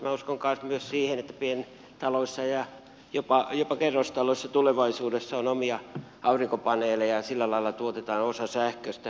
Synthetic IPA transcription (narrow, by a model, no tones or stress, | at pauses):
mæuskoŋkɑnsmyøssiːhenet̪ːæpien | t̪ɑloisːɑjɑ | jopɑjopɑkerːost̪ɑloisːɑt̪uleʋɑisuːdesːɑonomiɑ | ʔɑuriŋkopɑneːlejɑsilːælɑilːˑɑt̪uot̪et̪ɑːnosɑsæhkøst̪æ